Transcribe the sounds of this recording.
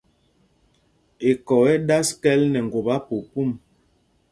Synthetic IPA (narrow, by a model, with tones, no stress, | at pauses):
e˨kɔ˨ɛ˦da˦skɛ˦lnɛ˨ŋ˨ɡwo˨ba˦po˨pu˦˨m